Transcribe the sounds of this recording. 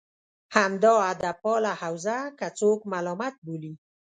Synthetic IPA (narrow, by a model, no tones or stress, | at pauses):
hamd̪ɔad̪apɔlahawzakat͡sokmalɔmat̪̚boli